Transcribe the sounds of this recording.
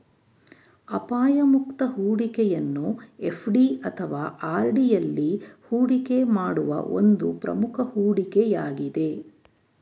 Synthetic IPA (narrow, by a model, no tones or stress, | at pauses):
ɐpaːjɐmukt̪ɐɦuːɽikɛjɐnːue̞pʰɖiɐt̪ʰɐʋaːʔaːɾɖijɐlːihuːɽikemaːɽuʋɐ̰ʔo̞̰nd̪upɾɐ̰mukʰɐhuːɽikɛjaːɡid̪e̞